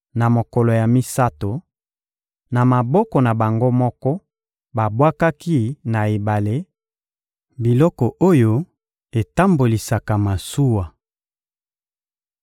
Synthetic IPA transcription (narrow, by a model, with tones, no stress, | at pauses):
na˨mo˨kɔ˨lɔ˨ja˨mi˦sa˦to˨ | na˨ma˨bɔ˦kɔ˨na˨ba˨ŋɡo˦mɔ˦kɔ˦ | ba˨bwa˦ka˦ki˦na˨e˨ba˨le˦ | bi˨lɔ˦kɔ˨ʔo˦jo˦ | e˨ta˦mbo˨li˨sa˨ka˨ma˨su˦wa˨